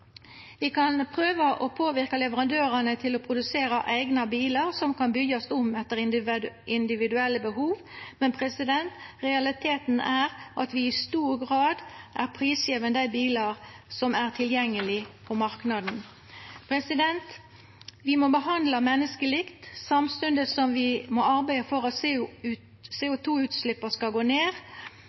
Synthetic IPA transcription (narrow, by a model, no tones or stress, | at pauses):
ʋɪkɑnpʰʁøːʋəʔopʰoːʋɪʁkɑlɛʋəɾɑnd̪øːɾɑnət̪ʰɪlɔpʰɾʊd̪ʉseːɾɑʔæɪɡnɑbiːlɑʁsɔmkɑnbʏɡːɔsʊmɛt̪ːəɾɪnd̪ɪʋɪd̪ʉɛlːəbəhuːʋmɛnpʰʁɛsɪd̪ɛnt̪ʁɛɑlɪt̪ʰeːt̪n̩æːʁʔɑt̪ʋɪɪst̪uːʁɡʁɑːd̪ʔæʁpʰʁiːsjeːʋənəd̪æɪbiːlɑʁsɔmæʁt̪ʰɪljɛŋːəlɪpʰɔmɑʁknɑd̪n̩ | pʰɾɛsɪd̪ɛnt̪ | ʋɪmɔbəhɑnd̪lɑmɛnːəskəlɪkt̪sɑmst̪ʉnd̪əsɔmʋɪmoːɑʁbæɪəfɔʁɑt̪sʉ | seːʊt̪ʰuːʉːt̪slɪpːəskɑlɡoːneːʁ